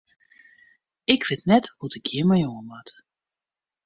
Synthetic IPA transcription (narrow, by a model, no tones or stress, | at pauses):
ɪkʰʋɪtnɛthutɪkjɪmajoŋənʋat